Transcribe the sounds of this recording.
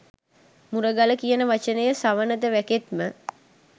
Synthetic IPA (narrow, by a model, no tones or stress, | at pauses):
muɾəɡaləkijənəʋat͡ʃənəjəsaʋənəd̪əʋæket̪mə